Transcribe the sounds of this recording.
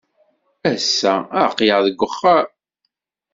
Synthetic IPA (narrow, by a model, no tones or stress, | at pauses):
æsːæəqːjəʁðəɡʷːəχːaɾ